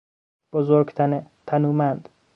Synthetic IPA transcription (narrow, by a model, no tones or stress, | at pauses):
b̥ozoɾɡt̪ʰt̪ʰænuːmænd̪̥